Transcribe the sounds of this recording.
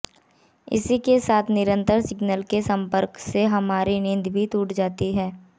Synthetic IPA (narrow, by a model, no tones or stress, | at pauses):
ɪ̰sikesaːt̪ʰnɪɾə̃nt̪əɾsɪɡnəlkesɐ̃mpəɾkseɦɐmaːɾinɪ̃nd̪ʱbʱit̪uːʈd͡ʒaːt̪iɦɛː